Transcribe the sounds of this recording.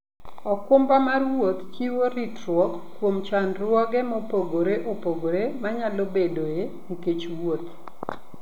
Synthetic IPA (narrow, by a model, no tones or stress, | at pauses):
ɔkʊmbamarwot̪t͡ʃiwoɾitrwɔkːwomt͡ʃanɾwɔɡɛmɔpoɡoɾeʔopoɡoɾemaɲalobedojeniket͡ʃwot̪